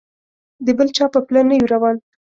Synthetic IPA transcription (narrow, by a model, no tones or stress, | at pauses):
d̪əbəlt͡ʃɑpəplanajuɾawɑn